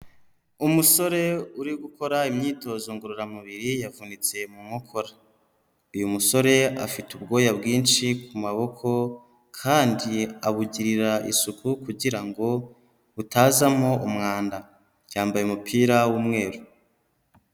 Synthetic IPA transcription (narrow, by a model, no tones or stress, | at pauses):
umuso̞ɾe̞uɾiɡuko̞ɾaimɲiːto̞zoŋɡoɾuɾamuβiɾijavunit͡se̞mumŋokʰo̞ɾḁ | ujumuso̞ɾe̞a̰fitub̚ɡo̞ːjabɡiːnʃikumaβo̞kʰo̞ | kʰaːndiaβuɟiɾiɾaʔḭsukʰukuɟiɾaŋɡo̞ | utaːzamho̞umŋaːnda | jaːmbajemupʰiːɾawumŋe̞ːɾu